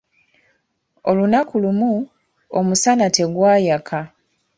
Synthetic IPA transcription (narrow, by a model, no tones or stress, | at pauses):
o̞lunakulumu | omusanate̞ɡwaːjakʰa